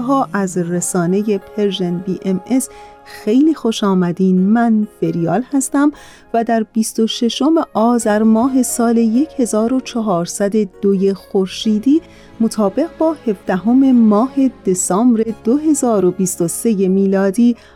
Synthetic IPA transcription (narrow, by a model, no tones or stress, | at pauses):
ɦɒːʔæzresɒːneje̞pʰe̞ɾʒenbiːʔemes | xe̞jliːxo̞ʃɒːmæd̪iːnmænfe̞ɾijɒːlhæst̪æm | væd̪æɾbiːst̪o̞ʃe̞ʃo̞me̞ʔɒːzæɾmɒːɦe̞sɒːle̞je̞che̞zɒːɾo̞t͡ʃʰɒɦɒːɾsæd̪e̞d̪̥oje̞xo̞ɾʃiːd̪iː | mot̪ʰɒːbe̞ɣbɒːhe̞fd̪̥æɦo̞me̞mɒːhe̞d̪̥e̞sɒːmɾe̞d̪̥oɦe̞zɒːɾo̞biːst̪ose̞je̞miːlɒːd̪iː